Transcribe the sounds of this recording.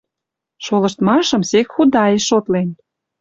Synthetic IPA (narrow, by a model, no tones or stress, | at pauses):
ʃolə̆ʃt̪mɑʃɤ̆msekxud̪ɑeʃot̪len